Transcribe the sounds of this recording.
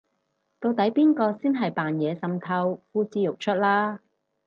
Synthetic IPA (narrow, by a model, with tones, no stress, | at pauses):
t̪o˧wt̪ɐ˨˥jpiː˥nkɔː˧siː˥nɦɐ˨jpaː˨njɛː˨˧sɐ˨mt̪ʰɐ˧wfuː˥t͡siː˧jʊ˨k̚t͡ʃʰɵ˥t̚laː˥